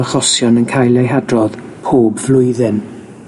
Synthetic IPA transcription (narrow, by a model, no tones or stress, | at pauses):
aχɔsjɔnənkʰajlˠejɦadrɔð̥pʰoːbvlʊɨðɪn